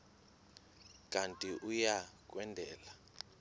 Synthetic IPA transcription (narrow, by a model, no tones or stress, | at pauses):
kʼantʼiʔujak̬ʼwɛndʱɛːla